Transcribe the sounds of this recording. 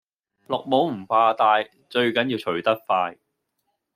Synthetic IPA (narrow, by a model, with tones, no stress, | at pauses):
lʊ˨k̚mo˨˥wm̩˨˩faː˧t̪aː˧j | t͡ʃɵ˧ɥkɐ˨˥nji˧wt͡ʃʰɵ˨˩ɥt̪ɐ˥t̚faː˧j